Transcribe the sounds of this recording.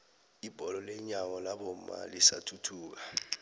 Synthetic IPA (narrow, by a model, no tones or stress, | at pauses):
ib̥ʱɔlɔlɛɲaŋɔlaɓɔma̰lisa̰tʰutʰuːk̬a